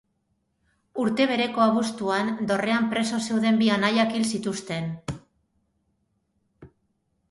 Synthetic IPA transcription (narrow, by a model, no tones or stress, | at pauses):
uɾt̪e̞β̞e̞ɾe̞ko̞aβ̞ust̪uand̪o̞re̞ampɾe̞so̞se̞wðe̞mbianajakilsit̪ust̪e̞n